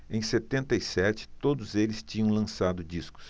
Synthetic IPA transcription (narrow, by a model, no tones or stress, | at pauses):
ẽj̃set̪ẽnt̪ɐisɛt͡ʃɪ̥t̪od̪ʊzelɪst͡ʃĩɲɐ̃w̃lɐ̃sad̪ʊd͡ʒiskʊ̥s